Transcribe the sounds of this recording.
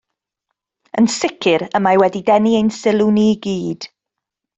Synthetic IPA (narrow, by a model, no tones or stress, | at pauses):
ə̰nsɪkʰɪɾəmajwɛdidɛniejnsɪlˠuniɡiːd̥